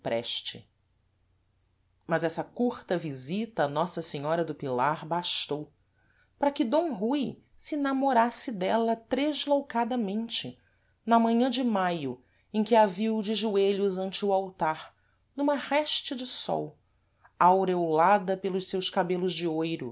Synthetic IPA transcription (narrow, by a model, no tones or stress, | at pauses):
pɾɛ̰ʃt͡ʃɪ | mɐzɛsɐkuɾt̪ɐvizit̪ɐːnɔsɐseɲɔɾɐd̪ʊpilaɾbaʃt̪ow | pɾɐkɪd̪õɦuj | sɪnamoɾasɪd̪ɛlɐt̪ɾeʒlowkad̪ɐmẽnt͡ʃɪ | nɐmɐ̃ɲɐ̃d͡ʒɪmajʊ | ẽkʲɪaviwd͡ʒɪʒueʎʊzɐ̃nt͡ʃɪuawt̪aɾ | nũmɐhɛʃt͡ʃɪd͡ʒɪsɔ̰w | awɾewlad̪ɐpelˠʊʃsewskabelʊzd͡ʒɪojɾʊ̰